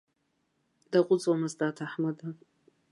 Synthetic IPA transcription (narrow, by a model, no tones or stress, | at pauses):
d̥aqʷʼʊt͡sʼwamɨzdaːtʰaħmada